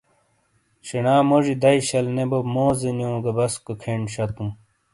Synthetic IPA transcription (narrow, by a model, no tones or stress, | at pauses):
ɕenaːmoʑid̪ɐiɕɐlnebobmoːzenjõːɡɐbɐskokʰeɳɕɐt̪um